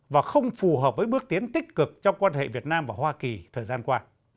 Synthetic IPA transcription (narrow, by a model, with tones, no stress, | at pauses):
vaː˨˩xə˧wŋ͡mfu˨˩ɦəː˨˩p̚vəː˨˦jɓɨ˦˥ək̚t̪i˨˦ənt̪ï˦˥k̚kɨ˨˩k̚t͡ɕɔ˧wŋ͡mkwaː˧nhḛ˧˨vi˨˩ət̚naː˧mvaː˨˩hwaː˧ki˨˩t̪ʰəː˨˩jzaː˧nkwaː˧